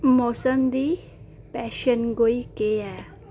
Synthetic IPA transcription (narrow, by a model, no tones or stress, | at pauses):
mɔːsəmd̪iː | pɛːʃənɡoːiːkeɛː